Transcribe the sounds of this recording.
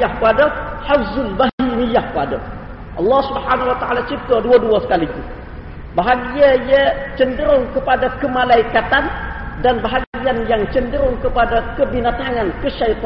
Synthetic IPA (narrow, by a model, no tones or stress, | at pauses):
ahkəpadaħafzʊlbaɦinijahkəada | ʔɑlːɑhsubħanawat̪aʕalat͡ʃip̚t̪aduaduasə̥kaliku | baɦaɡiajət͡ʃəndəɾʊŋkəpadakəmalaikat̪andanbaɦaɡianjaŋt͡ʃəndəɾʊŋkəpadakəbinat̪aŋankəʃajt̪ˤ